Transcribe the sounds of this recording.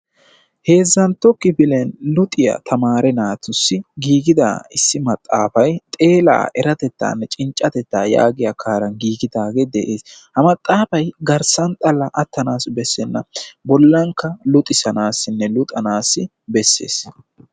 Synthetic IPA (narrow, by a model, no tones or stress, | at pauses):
he̞ːzːɐnt̪ɔkːɪbɪlɛnlʊt̪ʼɪjɐ̰t̪ʰɐmaːɾɛnaːt̪ʊsːɪɡiːɡɪd̪a̰ːɪsːɪmɐt̪ʼːaːfɐjt̪ʼe̞ːla̰ːʔɛɾɐt̪ɛt̪ːa̰ːnːɛt͡ʃʼɪnt͡ʃʼːɐt̪ɛt̪ːaːja̰ːɡɪjakʰaːɾɐnɡiːɡɪd̪aːɡed̪ɛʔe̞ːshɐmɐt̪ʼːaːfɐjɡɐɾsɐnt̪ʼɐlɐʔɐt̪ːɐnaːsbɛsːɛnːɐ̰bɔlːɐŋkːɐlʊt̪ʼɪsɐnaːsːɪnːɛlʊt̪ʼɐnaːsːɪ | bɛsːe̞̰ːs